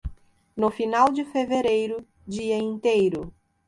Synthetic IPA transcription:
nʊfinawd͡ʒɪfeveɾejɾʊ | d͡ʒiɐĩnt̪ejɾʊ

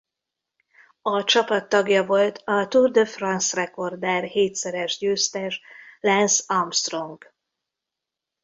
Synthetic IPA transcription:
ɒt͡ʃɒpɒt̪ːɒɡjɒvo̞lt̪ɒt̪urd̪øfrɒnsrɛko̞rd̪ɛːrheːt̪sɛɾɛʒɟøːst̪ɛʃlɛnsɒmst̪ro̞ŋk

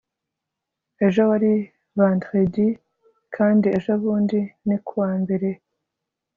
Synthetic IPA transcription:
e̞ʒowaɾi | vandʁedi | kʰaːndie̞ʒoβuːndinikuwaːmbe̞ɾe̞

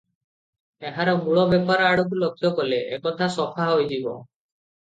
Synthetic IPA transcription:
eɦaɾɔmuɭɔbepaɾɔaɽɔk̬ulɔkʰːjɔkɔleʔekɔt̪ʰasɔpʰaɦojd͡ʒibɔ̰

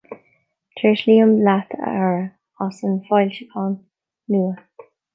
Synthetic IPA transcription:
tʰɹɪʃliːəmblat̪ʰə̰aɹə | asənfɔjlʃəkʰɑːn | luːə

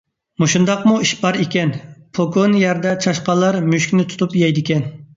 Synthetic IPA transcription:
muʃund̪ɑqmuiʃbɑɾekʲɛnpʰokonjɛɾd̪ɛt͡ʃʰɑʃqɑlˠːɑɾmyʃkʲnɪt̪ʰu̥t̪upjɛjd̪ɪkʲɛn

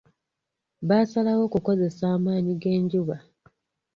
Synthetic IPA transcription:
βaːsalawo̞kuko̞ze̞saːmaːɲiɡe̞ːɲɟuβa

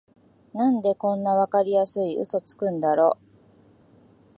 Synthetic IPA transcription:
nãnd̪e̞kõ̞nːaβ̞akaɾʲijasɨiʔɯ̰so̞t͡sɨ̥kɯ̟̃nd̪aɾo̞ː

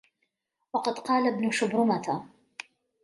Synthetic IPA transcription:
wɑqɑd̪qɑːlabnʊʃʊbɾʊmat̪ʰa

